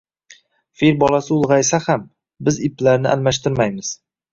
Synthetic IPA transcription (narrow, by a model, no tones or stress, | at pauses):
fiɾbɒlˠasɪʊlˠʁɑjsaham | bɪzɪplaɾnɪ̰ʔa̰lmaʃt̪ɪɾmajmɪz̥